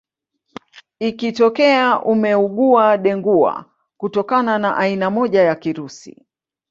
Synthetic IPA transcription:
ikitɔkɛaʔumɛuɠuaɗɛŋɡua̰ | kutɔkananaʔainamɔʄajakiɾusḭ

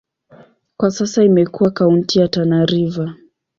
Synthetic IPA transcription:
kwasasaimɛkuwakauntijatanaɾiva

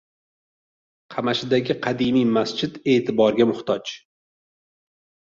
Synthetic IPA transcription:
qʰɑmaʃɪd̪aɡʲɪqʰɑd̪imijmast͡ʃʰɪd̪e̞ːt̪ʰɪbɒɾɡʲamʊχt̪ʰɒt͡ʃ

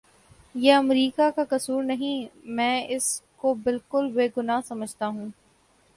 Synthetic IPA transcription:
jeːɐmɾiːkakakɐsuːɾnɐɦĩmɛ̃ːɪskobɪlkʊlbeːɡʊnaːɦsɐməd͡ʒʱt̪aɦũː

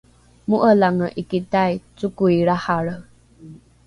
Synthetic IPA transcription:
muʔəlaŋəʔikitajt͡sukuiɾahaɾə

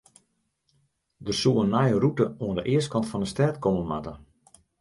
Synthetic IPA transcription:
dərsuənːajərutəuəndəʔɪəst̚kɑntfɔnəstɛrtkomənmatə

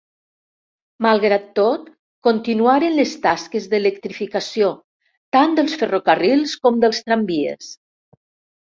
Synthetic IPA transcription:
malˠɣɾat̪ːot̪ | kont̪inuaɾenləst̪askezðeləkt̪ɾifikasio | t̪and̪əlˠsfərokarilˠskɔmd̪əlˠst̪ɾambiḛs

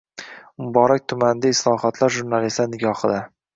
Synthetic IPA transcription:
mʊbɒɾak̚ʲt̪ʰʊmand̪aɪslˠɒhɒt̪ʰlaɾʒʊɾnalislanɪɡʲɒχɨd̪a

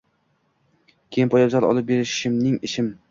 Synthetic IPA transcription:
kʲʰeɪnpʰɒjɑbzɒɾɒ̰lˠɨp̚beɾɪʃɪmnɪŋɪʃɪm

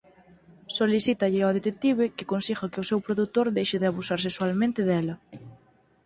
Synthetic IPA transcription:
soliθit̪ɐʎɪɔðet̪ek̚t̪iβekɪkonsiɣɐkɪʊsɛwpɾoðut̪oɾðejʃɪðɪaβusaɾs̬eswalmẽnt̪ɪðɛlɐ

